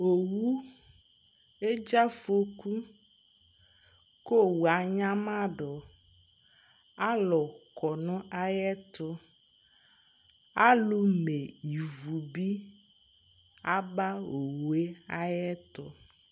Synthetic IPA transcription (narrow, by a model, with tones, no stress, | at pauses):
o˨wu˦ | e˦d͡ʒa˦fo˦ku˦ | ko˦wu˨a˨ɲã˦mã˦ɖɔ˨ | a˦lɔ˨kɔ˨nɔ̃˦ʔa˨jɛ˦t̪ɔ˦ | a˦lu˦me˨i˨vu˨bi˦ | a˦ba˦o˨wu˨e˦a˦jɛ˦t̪ɔ̰˦